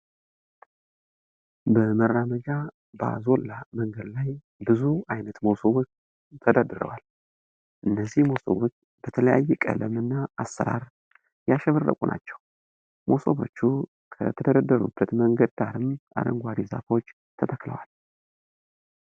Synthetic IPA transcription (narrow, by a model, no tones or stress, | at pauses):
bəmərːaməd͡ʒa | ba̰zo̞lːaməŋɡəd̪laj | bɨzuajnət̪mowsoβot͡ʃ | t̪ʰəd̪ad̪ɨɾə̰wal | ʔɨnːəzːihmo̞so̰βot͡ʃː | b̥ət̪ʰələjajːɛkʼə̰ləmɨnːaʔːsːəɾa̰ɾ | jaʃɛβərːə̰kʷʼunʔa̰t͡ʃːɛw | mʔoso̞βo̞̰t͡ʃːu | kʰə̰t̪ʰəd̪əɾəd̪ːəɾṵbːət̪məŋɡəd̪̚d̪aɾɨma̰d̪ə̰ŋɡʷaɾiza̰fo̞t͡ʃː | t̪ʰət̪ʰəkːlə̰wal